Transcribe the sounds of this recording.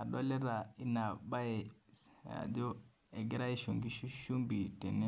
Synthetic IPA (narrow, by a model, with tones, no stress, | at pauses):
a˨ɗo˦le˦ɾa˨i˦na˨ba˦e˨ | a̰˨do˦ | e˨ɡi˦ɾa˦i˦ʃo˨ŋɡi˦ʃu˦ʃu˦mbi˨te˨ne˦